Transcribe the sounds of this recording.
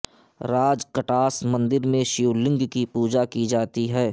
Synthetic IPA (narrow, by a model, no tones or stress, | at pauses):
ɾaːd͡ʒkɐʈaːsmɐ̃nd̪ɪɾmẽʃuːlɪ̃ŋɡkipuːd͡ʒakid͡ʒaːt̪iɦɛː